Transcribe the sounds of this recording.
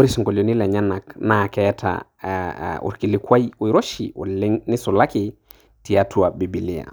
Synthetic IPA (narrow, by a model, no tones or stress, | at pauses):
oɾisɔŋkolonilɛɲanaknakɛtʰa̰ | ṵɾkilikwajujɾɔʃḭṵliŋnisulaki | tiatʰuabibilia̰